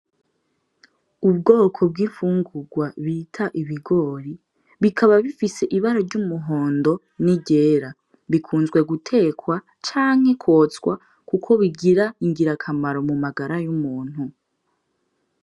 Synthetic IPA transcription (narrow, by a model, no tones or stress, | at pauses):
ub̚ɡo̞ːkʰo̞b̚ɡifuːŋɡuɡwaβiːtʰaʔiβiɡo̞ːɾi | βikʰaβaβifise̞ʔiβaɾoɾɟumuɦo̞ːndo̞ | niɟe̞ːɾa | βikʰuːnzɡwe̞ɡutʰe̞kwa | t͡ʃaːŋ̥he̞kʰwo̞ːt͡skwa̰ | kukʰo̞βiɡiɾaiŋɡiɾakʰamaɾo̞mumaɡaɾajumuːn̥hu